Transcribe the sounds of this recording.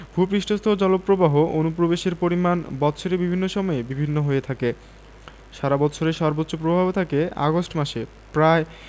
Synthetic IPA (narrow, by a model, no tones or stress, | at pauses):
bʱupɾiʃʈʰost̪ʰɔɦod͡ʑɔlopːɾobaɦoʔonupɾobeʃeɾpoɾimanbɔt̪ːɕʰoɾebibʱinːoʃɔmɔebibʱinːoɦoet̪ʰake | ʃaɾabɔtːt͡ɕʰoɾeʃɔɾbotːɕopɾobʱabot̪ʰakea̰ɡosʈmaʃe | pɾae